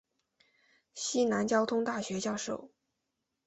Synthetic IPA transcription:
ɕi˥na˧˥nt͡ɕjɑ˥ʊt̪ʰʊ˥ŋt̪a˥˩ɕɥɛ˧˥t͡ɕjɑ˥˧ʊʂo˥˩ʊ

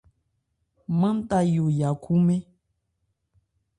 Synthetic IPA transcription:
mə̃˦n˦ta˦jo˨ja˨kʰu˦mẽ˦

